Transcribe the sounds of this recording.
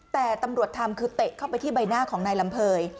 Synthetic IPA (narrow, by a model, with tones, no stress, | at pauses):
t̪ɛː˨˩t̪a˧mɾu˨˩ət̪ʰːa˧mkʰɯː˧t̪e˨˩ʔ̚kʰa˥˩wpa˧jt̪ʰiː˥˩ba˧jnaː˥˩kʰɔː˩˦ŋnaː˧jla˩˦mpʰɤː˧j